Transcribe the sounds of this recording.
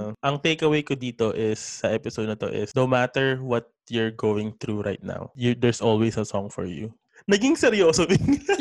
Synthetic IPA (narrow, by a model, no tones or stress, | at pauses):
ʔɐŋt̪ejkɐwejkod̪iːt̪oʔɪsːɐʔɛpɪsod̪̚nɐt̪o̰ʔɪ̰sd̪onmat̪ɛɹwɔt̪̚jʊɹɡowwɪ̃ŋθɾuɹajt̪̚na̰wjd̪ɛɹsʔɔlwejsɐsɔŋfɔ̰ɹjṵ | nɐɡɪŋsɛɾjoːsobɪŋ